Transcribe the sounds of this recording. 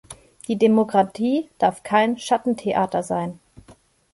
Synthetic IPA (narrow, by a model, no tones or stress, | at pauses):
d̥iːdemokʁ̥atʰiːd̥aɐfkʰaɪnʃatn̩tʰeʔaːtɐzaɪn